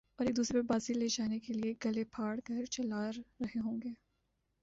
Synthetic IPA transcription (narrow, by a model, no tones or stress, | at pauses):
ɔːɾeːk̚d̪uːsɾepɐɾbaːzileːd͡ʒaːnekelieːɡɐlepʰaːɽɡɐɾt͡ʃɐlaːɾːɐɦeɦõːŋɡeː